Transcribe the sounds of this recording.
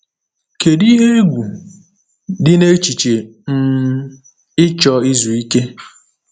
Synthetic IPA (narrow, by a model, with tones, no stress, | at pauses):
ke˨di˦ɦe˦ɡʷu˨ | dɪ˦ne˦t͡ʃi˨t͡ʃe˨m̩˦ | ɪ˦t͡ʃɔ˦ɪ˦zu˨i˦ke˦